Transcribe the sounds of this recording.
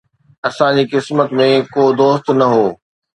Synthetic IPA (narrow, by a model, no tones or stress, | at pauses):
ɐsãd͡ʑiːkɪsmət̪mẽkoːd̪oːst̪nɐɦoː